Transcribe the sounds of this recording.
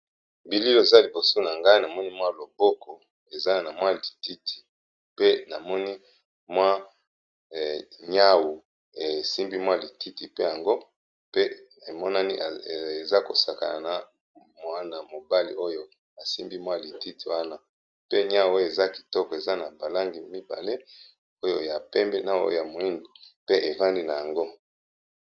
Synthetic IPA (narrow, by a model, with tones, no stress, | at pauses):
bi˨li˦lo˦e˨za˦li˨bo˨so˦na˨ŋɡa˦i˦na˨mɔ˦ni˦mwa˦lo˨bɔ˦kɔ˨ | e˨za˦na˨mwa˦˨li˨ti˦tʰi̥˨ | pe˦na˨mɔ˦ni˦ | mwa˦˨ | ɲa˦wu˨ | e˨si˦mbi˦mwa˦˨li˨ti˦ti˨pe˦ja˨ŋɡo˦ | pe˦ | e˨mɔ˦na˦ni˦ʔe˨za˦ko˨sa˨ka̰˨na̰˨na˨ | m˦a˦na˨mo˨ba˦lḭ˨ʔo˦jo˦ | a˨si˦mbi˦mwa˦li˨ti˦ti˨wa˦na˦˨ | pe˦ɲa˦wo˦jo˦˨e˨za˦ki̥˨tɔ˦kɔ˨e˨za˦na˨ba˨la˦ŋɡi˨mi˦ba̰˨le˦ | o˦jo˦ja˨pɛ˦mbɛ˦na˨o̰˦jja˨mo˨i˦ndi˨pe˦ʔe˨va˦ndi˦na˨ja˨ŋɡo˦